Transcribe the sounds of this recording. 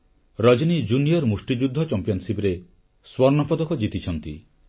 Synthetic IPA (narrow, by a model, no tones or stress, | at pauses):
ɾɔd͡ʒɔnid͡ʒunijɔɾmusʈid͡ʒud̪ʱːɔt͡ʃɔmpijɔnsibɾe | swɔɾnɔpɔd̪ɔkɔd͡ʒit̪it͡ʃʰɔnt̪ḭ